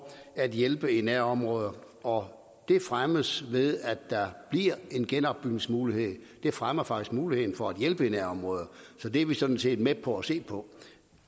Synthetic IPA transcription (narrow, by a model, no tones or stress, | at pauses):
æd̥jelb̥əenæɐ̰ɒ̽mʁɔːð̞ˠɐ | ɒ | d̥e̝fʁaməsʋe̝ðˠæd̥ːɑ̈b̥liɐe̝nɡ̥enɒ̽b̥ːyɡ̥nesmuːlihe̝ð̰ˠ | d̥e̝fʁamɐfɑ̈ɡ̥isɡ̥muːlihe̝ð̰ˠn̩fɒ̽æd̥jelb̥əenæɐ̰ɒ̽mʁɔ̽ːð̞ˠɐsɒ̽d̥eɐʋisɒ̽d̥n̩se̝̰ːd̥meb̥̚ʰɒ̽æse̝̰ːpʰɒ̽